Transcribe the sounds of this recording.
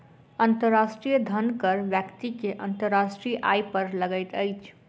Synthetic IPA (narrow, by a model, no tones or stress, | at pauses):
ənt̪əɾːasʈɾijəd̪ʱənkəɾbjəkt̪ikeʔənt̪əɾːasʈɾiʔa̰jpəɾləɡəjt̪əjt͡ʃʰ